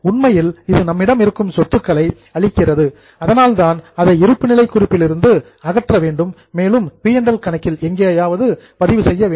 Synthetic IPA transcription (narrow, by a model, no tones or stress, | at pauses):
ʊɳmɐjɪlɪðɯnɐmːɪɽɐmɪɾɯkːɯmsɔt̪ːɯkːɐɭɐɪ | ɐɭɪkːɪrɐðɯ | ɐðɐnaːlt̪aːnɐðɐɪɪɾɯpːɯnɪlɐɪkːʊrɪpːɪlɪɾɯnd̪ɯ | ɐɣɐʈrɐʋeːɳɖɯmːeːlɯmpɪjɐɳɖɐlkɐɳɐkːɪlɛŋɡeːɐjaːʋɐðɯpɐðɪʋɯsɛjːɐʋeː